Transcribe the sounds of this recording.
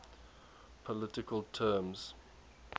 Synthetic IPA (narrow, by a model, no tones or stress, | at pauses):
pʰəlɪtɪkəlˠtʰɛːmz̥